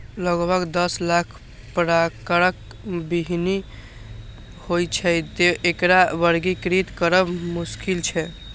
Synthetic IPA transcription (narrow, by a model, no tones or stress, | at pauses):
ləɡbʱəɡd̪əslakʰ | pɾakəɾək̚ | biɦni | hojt͡ʃʰɛd͡ʒ̪eʔekɾabəɾɡikɾit̪kəɾəbmuskilt͡ʃʰɛ